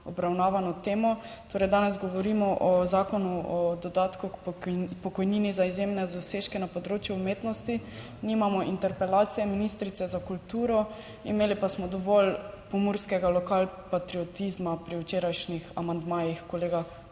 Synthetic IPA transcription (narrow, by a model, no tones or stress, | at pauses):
ɔbɾawnaːʋanɔt̪eːmɔ | t̪oːɾɛjd̪aːnɛzɡɔʋɔɾimɔʔɔzaːkɔnuɔd̪ɔd̪aːt̪kukpɔkɔjniːnizaizjemnɛd̪ɔseːʃkɛnapɔd̪ɾoːt͡ʃjuːmeːt̪nɔst̪i | nimamɔʔint̪ɛɾpɛlaːt̪sijɛminist̪ɾit̪sɛzakult̪uːɾɔ | ḭmeːlipasmɔd̪ɔʋɔlpɔmuɾskɛɡalɔkalpat̪ɾiɔt̪izmapɾiwt͡ʃeːɾajʃnixa̰mand̪maːjixkɔleːɡa